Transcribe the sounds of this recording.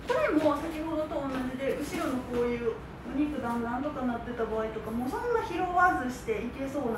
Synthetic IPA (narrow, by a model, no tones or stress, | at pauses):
toɾemosakʲiho̞d̪o̞t̪õ̞ːnːaʑid̪e̞ʔɯ̟ɕiɾo̞no̞ko̞ːjɯ̟ː | ɯ̟ɲ̟ikɯ̟d̪ãnd̪ãnt̪o̞kaat̪ːe̞t̪abaːit̪o̞kamo̞ːsõ̞nːaçiɾo̞βazɨɕi̥t̪e̞ike̞so̞ːn